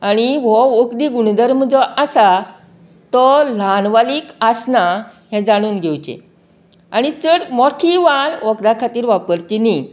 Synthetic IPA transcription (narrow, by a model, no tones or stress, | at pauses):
aɽ̃iʋɔəkd̪iːɡuɽd̪əɾməd͡zəʔasa | t̪ɔlanʋaliːkasnaɦɛ̃d͡zaɽ̃uːnɡʱewt͡ɕḛ | aɽ̃it͡səɽmɔʈʰiʋalʋəkd̪akʰat̪iːɾʋapəɾt͡ɕini